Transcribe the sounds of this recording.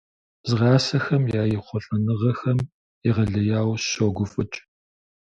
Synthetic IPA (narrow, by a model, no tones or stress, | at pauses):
zʁɑːsɐxɐmjaːjɪχʷɔɬʼɐnɨʁɐxɐm | iʁɐɮɐjaːwoːɡʷʊfʼɨt͡ʃʼ